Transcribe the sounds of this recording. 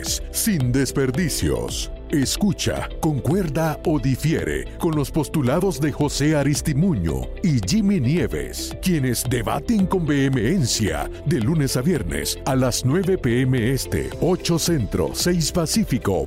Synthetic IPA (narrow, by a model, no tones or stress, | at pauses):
s | sind̪e̞spe̞ɾðisjo̰s | eskut͡ʃa̰ko̞ŋkwe̞ɾðao̞ðifje̞̰ɾe̞̰ko̞nlo̞spo̞st̪ulaðo̞zðe̞xo̞se̞aɾist̪imuɲṵ | iʝiminjeβe̞̰skje̞ne̞zd̪e̞βa̰t̪eŋko̞mbe̞emeensja̰ | d̪e̞lune̞saβje̞ɾnḛsalasnwe̞βe̞peemeest̪e̞̰o̞t͡ʃo̞se̞nt̪ɾo̞̰se̞jspasifiko̞̰